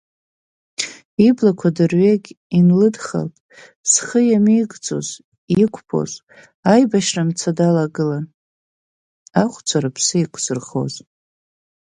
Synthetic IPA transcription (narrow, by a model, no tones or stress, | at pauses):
iblakʷʰadɨrɥeɡʲ | inlɨdχa̰ltʼ | sχəjamiɡʼt͡sʼo̰z | ikʷʰʼpʰo̞̰z | ajbaʃramt͡sʰadalaɡɨlan | aχʷt͡sʷʰaɾapʰsɨikʷʼʰsɨrχo̞̰z